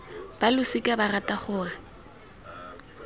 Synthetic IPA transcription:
b̥alʊsɪkʼabaratʼaχʊːra

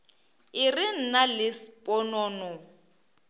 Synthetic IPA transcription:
ɪrɪn̩nalɪspʼɔnɔːnɔ

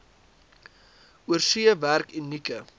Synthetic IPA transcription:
uərsiəværkinːikə

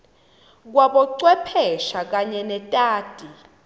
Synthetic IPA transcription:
k̬waɓɔǀwɛpʰɛʃak̬aɲɛnɛtʼaːtʼi

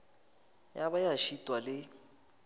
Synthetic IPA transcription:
jabajaʃitʼwalɪ

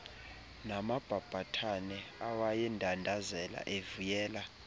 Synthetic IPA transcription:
namab̥ʱab̥ʱatʰanɛawajɛndʱandʱazɛla̰ʔevujɛːla

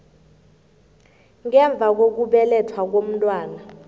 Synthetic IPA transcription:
ŋɛɱb̪vʱak̬ok̬uɓɛlɛtʰwak̬om̩tʼwaːna

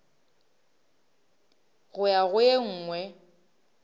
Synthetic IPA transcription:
ɣʊjaɣʊjeŋ̩ːŋwɛ

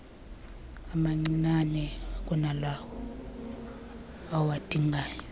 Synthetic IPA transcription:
amaŋ͡ǀinanɛk̬ʼɔnalakɔ | awad̥ʱʼiŋɡʱaːjɔ

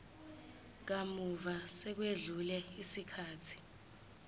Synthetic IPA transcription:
k̬amuvasɛk̬weɮulɛisikʰaːtʰi̥

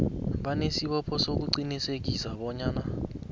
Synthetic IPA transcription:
ɓanesiɓɔpʰɔsok̬uǀiniseɡ̬ʱisaɓɔɲaːna

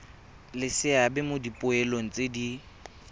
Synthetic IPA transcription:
lɪsɪabɛmodipʼʊɛloŋ̩t͡sʼedi

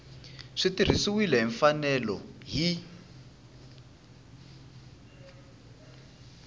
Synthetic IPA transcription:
ʂitir̤isuwilɛɦiɱfanɛlɔ̰ɦi

